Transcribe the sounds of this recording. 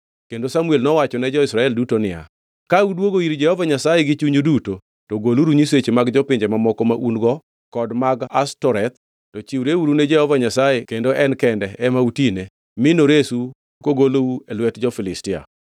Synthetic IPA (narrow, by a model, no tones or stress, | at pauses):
kendosamuelnɔwat͡ʃɔnɛd͡ʒɔɪsɾaɛldutonɪa̰ | kaudwoɡoiɾd͡ʒɛhɔvaɲasajeɡɪt͡ʃuɲuduto | toɡoluɾuɲiset͡ʃemaɡd͡ʒɔpɪɲd͡ʒɛmamɔkɔmaʔunɡɔ | kɔdmaɡastɔɾɛt̪ | tɔt͡ʃiwɾeuɾunɛd͡ʒɛhɔvaɲasajekendoɛnkɛndɛɛmautine | mɪnoɾesu | koɡolouelwɛtd͡ʒɔfɪlɪstɪa̰